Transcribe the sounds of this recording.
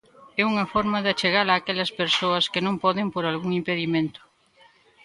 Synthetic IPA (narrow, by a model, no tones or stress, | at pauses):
ɛuŋɐfɔɾmaðat͡ʃeɣalaːkɛʎɐspeɾsoɐskɪnõmpɔðempoɾalɣuŋimpeðimẽnt̪ʊ̥